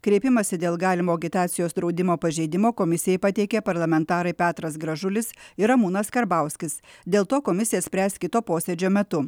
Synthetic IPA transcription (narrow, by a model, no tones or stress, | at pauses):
kɾʲeːpʲɪmɐsʲɪd̪ʲeːlˠɡɑːlʲɪmoːɐɡʲɪt̪ɑːt̪sʲɪjoːsd̪ɾɒʊd̪ʲɪmoːpɐʒʲɛɪd̪ʲɪmoːkomʲɪsʲɪjɛɪpɐt̪ʲɛɪkʲɛpɐɾlˠɐmʲɛnt̪ɑːɾɐɪpʲæːt̪ɾɐsɡɾɐʒʊlʲɪsɪɾɐmuːnɐskɐɾbɐˑʊsʲkʲɪsd̪ʲeːlˠt̪oːkomʲɪsʲɪjɛsʲpʲɾʲæːst̪ʲkʲɪt̪oːpoːsʲed͡ʒʲoːmʲɛt̪ʊ